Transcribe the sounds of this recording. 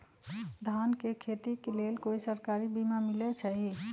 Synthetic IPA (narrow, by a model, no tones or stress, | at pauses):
d̪ʱankekʰet̪ikelelkoisəɾkaɾibimamilɛt͡ʃʰəɦi